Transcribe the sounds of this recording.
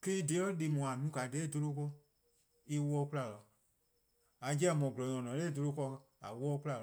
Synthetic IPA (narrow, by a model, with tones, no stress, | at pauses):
ki˦i˦de˧˦ɔ˦le˧˨mũ˨a˨nũ˨˦ka˨de˨˦˨do˧lo˧˦kɔ˧ | i˧wɔː˧˦˧ku˦la˨lɔ˨ | a˨˦d͡ʒɛ˦˨mɔ̃˨ɡlɔ˨ɲɔ̃˨nɔ̃˨leː˦˨do˧lo˧kɔ˧ | a̰˨wɔː˦ku˦a˧˨l